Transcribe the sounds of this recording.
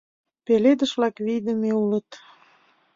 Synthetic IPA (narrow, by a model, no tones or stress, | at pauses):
peled̪əʃβlɑkβid̪əmeulət̪